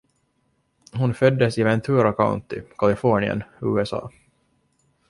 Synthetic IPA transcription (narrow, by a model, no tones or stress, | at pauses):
hʊnfœd̪ːəsɪvɛnt̪ʰʉːɾakʰaʊ̰nt̪ɪkʰalɪfɔɳɪə̰nʉːɛsɑ̰ː